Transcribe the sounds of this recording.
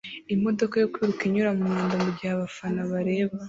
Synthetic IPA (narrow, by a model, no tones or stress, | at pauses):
imo̞do̞kajo̞kwiːɾukiɲuɾamumaːndamubɟihaβafanaβaɾe̞ːβa